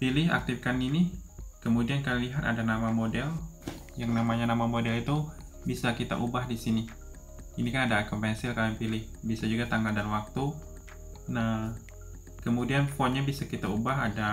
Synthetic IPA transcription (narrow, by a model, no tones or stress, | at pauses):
pilɪha̰k̚t̪ɪfkaninikəmudiankalliɦat̪a̰danamamodɛl | jaŋnamaɲanamamodɛlit̪u | bisakit̪a̰ʔubaɦdisini | inikanadaːkəmpɛnsɪlkalapilɪh | bisad͡ʒuɡat̪aŋɡaldanwak̚t̪u | na | kəmudianfɔnɲabisakit̪aubaɦada